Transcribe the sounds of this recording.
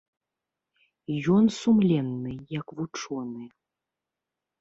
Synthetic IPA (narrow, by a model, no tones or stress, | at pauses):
jɔnsumlʲɛnːɨjɐkvut͡ʂɔnɨ